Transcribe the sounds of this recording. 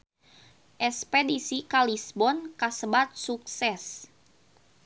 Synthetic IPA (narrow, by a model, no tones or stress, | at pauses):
ʔɛspedisikalisbɔnkasəbat̪̚suksɛs